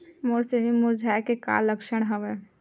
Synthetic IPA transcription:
moɾseimuɾd͡ʒʱajkeka̰ːlːəkʃəɽ̃ɦəʋɛ

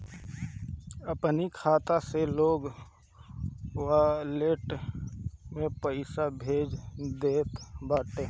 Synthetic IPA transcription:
əpnikʰaːt̪aseloːɡ | waleːʈ | mẽpəɪsabʱeːd͡ʒd̪eːt̪baːʈeː

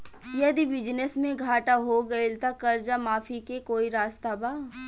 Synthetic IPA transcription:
jɐd̪ibɪd͡ʒnəsmẽɡʱaːʈaɦoɡɐelt̪akɐɾd͡ʒamaːfʰikekoːiɾaːst̪abaː

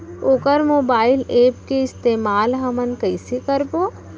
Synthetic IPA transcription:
oːkəɾmoːbaːɪleːpkeɪst̪eːmaːlɦɐmənkɐɪsikəɾpoː

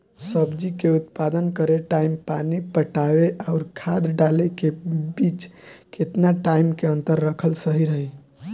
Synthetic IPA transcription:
səbd͡ʒikeut̪pad̪ənkəɾeʈaimpanipəʈaweʔaʊɾkʰad̪ɖalekebit͡ʃket̪naʈaimkeənt̪əɾːəkʰəlsəɦiɾəɦi

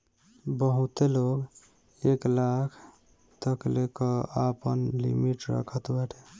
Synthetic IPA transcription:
bəɦut̪eloɡ | eklakʰ | t̪əklekɔapənlḭmiʈɾə̰kʰət̪bəʈʰe

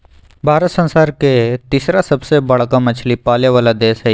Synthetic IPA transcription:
bʱaːɾət̪sə̃nsaːɾket̪iːsɾasɐbsebɐɽ̤kamɐt͡ʃʰlipaːljaʋaːlad̪eːsɦɛ

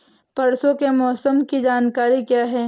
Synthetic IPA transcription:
pɐɾsõkemɔːsəmkid͡ʒaːnkaːɾikjaːɦɛː

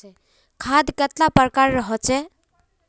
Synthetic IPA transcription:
kʰad̪ket̪lapəɾkaɾːəɦɔt͡ʃʰɛ

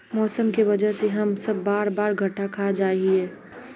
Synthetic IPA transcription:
mɔːsəmkeʋɐd͡ʒəɦseɦɐmsɐbːaːɾbaːɾɡʱɐʈakʰad͡ʒaːɦieː

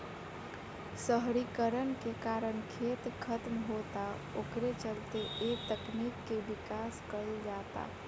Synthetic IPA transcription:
səɦɾikəɾənkekaːɾənkʰet̪kʰət̪mɦot̪a | okɾet͡ʃəlt̪eʔet̪əknikːebikaskəld͡ʒat̪a̰

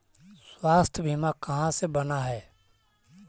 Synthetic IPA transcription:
swaːst̪ʰbʱiːmãːkəɦãːseːbənaːɦɛː

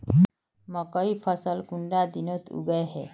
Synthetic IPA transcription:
məkəipʰəsəlkuɳɖad̪inət̪ʰṵɡəjɦɛ

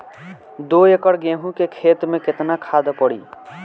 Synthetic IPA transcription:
d̪oekəɽɡẽːɦũkekʰeːt̪mẽkɪt̪nakʰaːd̪apəɽḭː

